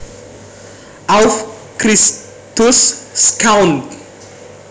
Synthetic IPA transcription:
awf | kris | t̪usskawnt

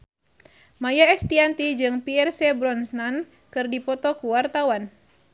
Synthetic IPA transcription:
majaɛst̪iant̪id͡ʒɨŋpiɛrsɛbɾɔnsnan | kɨrdipɔt̪ɔkuwart̪awan

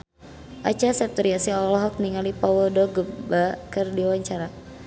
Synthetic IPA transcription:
ʔat͡ʃasɛp̚t̪ɔɾiasiɔlɔɦɔk̚niŋalipɔwədɔɡəbakərdiwaɲt͡ʃaɾa

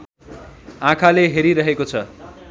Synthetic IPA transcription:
ãkʰaleɦeɾiɾʌɦekot͡sʰʌ

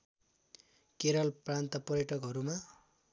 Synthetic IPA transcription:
keɾʌlprant̪ʌpʌrjʌʈʌkɦʌɾuma

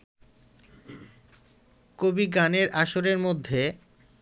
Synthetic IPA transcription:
kobiɡaneɾʔaʃoɾeɾmod̪ʱːe

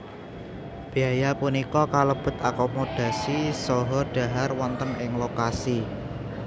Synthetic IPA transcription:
b̥iajapunikɔkaləb̥ʊ̤t̪akomod̥a̤sisɔɦɔrɖ̥a̤ɦarwɔnt̪ənɪŋlokasi

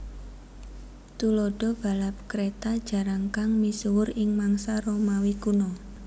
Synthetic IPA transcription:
t̪ulɔɖ̥ɔ̤b̥a̤lap̚kɾet̪ad̥ʒ̥a̤ɾaŋkaŋmisuwʊɾɪŋmaŋsaɾomawikunɔ

